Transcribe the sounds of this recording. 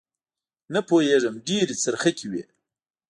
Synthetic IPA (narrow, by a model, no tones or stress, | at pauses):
nɐpoːjeːʐəmɖiːɾit͡səɾxɐkʲiwḛː